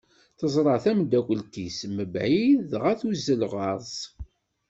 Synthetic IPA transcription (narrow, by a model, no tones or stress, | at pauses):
θəzˤɾˤəʕθæmd̪ækʷəlt̪isməbʕiðʁæθuzːəlʁɑɾˤzˤ